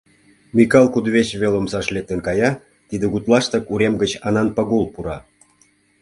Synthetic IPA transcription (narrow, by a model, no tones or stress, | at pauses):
mʲikɑlˠkud̪βet͡ɕβelomsɑʃlʲek̚t̪ĕnkɑjɑ | t̪id̪ĕɣut̪lˠɑʃt̪ɤkuɾʲemɡə̆t͡ɕɑnɑnpɑɣolˠpuɾɑ